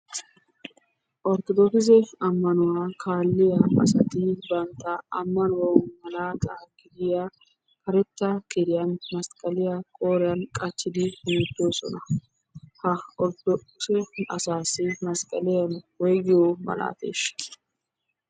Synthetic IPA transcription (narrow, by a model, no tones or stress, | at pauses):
ʔɔɾt̪ɔd̪ɔkɪzɛɐmːɐnʊwaːkʰaːlːɪjɐɐ̰sɐt̪ɪbɐnt̪ːɐɐmːɐnʊwɐmɐlaːt̪ʼaɡɪd̪ɪja | kɐɾɛt̪ːɐɡɪd̪ɪjanmɐskʼɐlɪjɐkʼo̞ːɾɪjɐnkʼɐt͡ʃːɪd̪ɪʊmt̪ːoːsɔ̰nɐ | hɐɔɾt̪ | sɛɐ̰saːsɪmɐskʼɐlɪjɐnwɔjɡɪjomɐ̰la̰ːt̪ḛːʃ